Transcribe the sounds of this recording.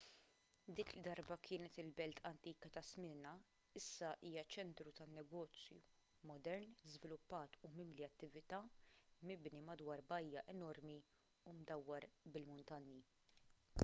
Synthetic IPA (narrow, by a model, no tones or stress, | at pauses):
d̪iːkld̪ɐɾbɐkʰɪːnɛt̪ɪlbɛlt̪ʰɐnt̪iːkɐt̪ɐsmɪnɐ | ɪsːɐʔiːjɐt͡ʃɛnt̪ɾut̪ɐnːɛɡɔːt͡sjṵ | mɔd̪ɛɾnzvɪlʊpːɐːt̪umɪmliɐt̪ːɪvɪt̪ɐːmɪbnimɐd̪wɐːɾbɐjːɐʔɛnɔɾmi | umd̪ɐwːɐɾbɪlmʊnt̪ɐnji